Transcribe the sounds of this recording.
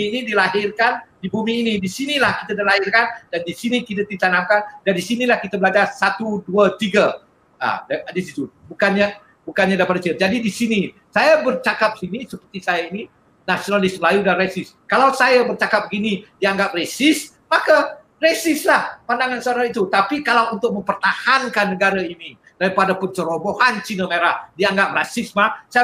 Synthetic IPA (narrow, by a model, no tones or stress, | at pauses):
inidilaɦɪrkandibumiːnidisinilahki̥t̪adalahɪrkandandisinikit̪ad̪it̪anamkandandisinilahkit̪abəlad͡ʒarsat̪uduat̪iɡa | a̰ddisit̪ubukanɲa | bukanɲadapat̚dəsiəd͡ʒadidisini | sajabərt͡ʃakap̚sinisəpərt̪isajaini | nasionalɪsməlajudanresɪskalawsajabərt͡ʃakap̚ɡinidiaŋɡap̚resɪs | maka | resɪslahpandaŋansəaɾaŋit̪ut̪apikalawunt̪ʊk̚mə̃mpərt̪ahankanːəɡaɾaini | d̥aɾipadapənt͡ʃəɾobohant͡ʃinəmeɾahdiaŋɡap̚rasɪsmahsa